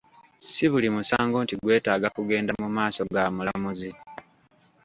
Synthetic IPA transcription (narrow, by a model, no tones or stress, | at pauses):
siβulimusaːŋɡo̞ːntiɡwe̞ːtaːɡakuɡe̞ːndamumaːso̞ɡaːmulamuzi